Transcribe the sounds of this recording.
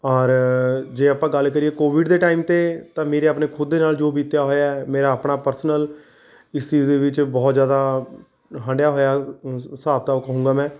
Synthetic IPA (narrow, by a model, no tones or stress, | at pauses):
ɔːɾd͡ʒeːəpãːɡəlkəɾieːkoːʋɪɖd̪eːʈaːimt̪eːt̪ãːmeːɾeːəpneːkʰʊd̪ːeːnaːld͡ʒoːbiːt̪jaːɦoːjaːɛmeːɾaːəpɳaːpəɾsənəl | ɪst͡ʃiːzd̪eːʋɪt͡ʃbɔːt̪zjaːd̪aː | ɦə̃ɳɖjaːɦoːjaːsaːb̚t̪aːkəɦũːŋɡaːmɛ̃ː